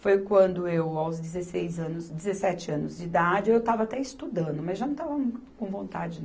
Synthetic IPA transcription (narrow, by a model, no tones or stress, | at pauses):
fojkwɐ̃nd̪ʊeewawzd͡ʒɪzesejzɐ̃nʊzd͡ʒɪzesɛt͡ʃɪɐ̃nʊzd͡ʒɪid̪ad͡ʒɪoewt̪avɐat̪ɛist̪ud̪ɐ̃nd̪ʊmɐzʒanɐ̃t̪avɐmũʊ̥kõw̃võnt̪ad͡ʒɪn